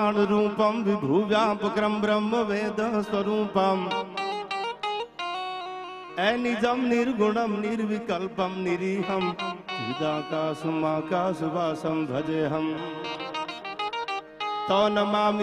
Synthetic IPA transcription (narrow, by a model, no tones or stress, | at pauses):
ñɾũːpɐmʋibʱuːʋjaːpɐkɾɐmbɾɐmːɐʋeːd̪ɐɦswɐɾũːpɐm | eːnid͡ʒɐmniɾɡʱʊɳɐmniɾʋikɐlpɐmniɾiːɦɐmbʱḭd͡ʒaːkaːsumaːkaːsuʋaːsɐmbʱɐd͡ʒeːɦɐm | t̪ɔːnɐmaːm